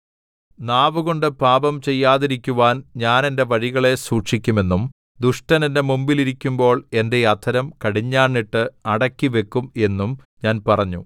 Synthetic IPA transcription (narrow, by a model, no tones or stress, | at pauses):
naːʋɨɣo̞ɳɖɨpaːbɐmt͡ɕe̞jːaːðiɾikʲːuʋaːnɲaːne̞nde̞ʋɐɻiɣɐɭe̞suːʈʂikʲːume̞nːum | d̪uʂʈɐnende̞mumbiliɾikʲːumbo̞ːɭe̞nde̞ɐt̪ʰɐɾɐmkɐɽiɲːaːɳːiʈːɨɐɽɐkːiʋe̞kːume̞nːum | ɲaːnpɐrɐɲːṵ